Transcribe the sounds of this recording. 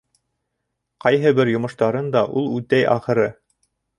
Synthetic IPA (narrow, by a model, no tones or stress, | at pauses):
qɑjɦɤbɘɾjŏmɤ̆ʃt̪ɑɾɤnd̪ɑʔulˠʉt̪æjʔɑ̰χɤ̆ɾɤ